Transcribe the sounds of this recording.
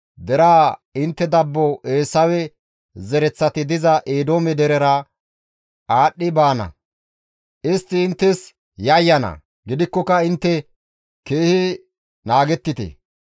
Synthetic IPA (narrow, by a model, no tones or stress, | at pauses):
d̪ɛɾaːɪnt̪ːɛd̪ɐbːɔeːsːɐwɛ | zɛɾɛt͡sːɐt̪ɪd̪ɪzɐʔeːd̪o̞ːmɛd̪ɛɾɛɾɐ | aːɗːɪbaːnɐ̰ | ʔɪst̪ːɪːnt̪ːɛs | jɐjːɐnɐ̰ | ɡɪd̪ɪkːɔkɐɪnt̪ːɛ | ke̞ːhɪ | naːɡɛt̪ːɪt̪ɛ̰